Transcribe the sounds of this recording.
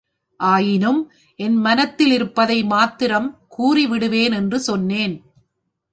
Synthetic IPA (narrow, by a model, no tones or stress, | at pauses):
ʔaːjɪnɯm | ʔɛnmɐnɐt̪ːɪlɪɾɯpːɐðɐɪmaːt̪ːɪɾɐmkuːriʋɪɽɯʋeːnɛndrɯsɔnːeːn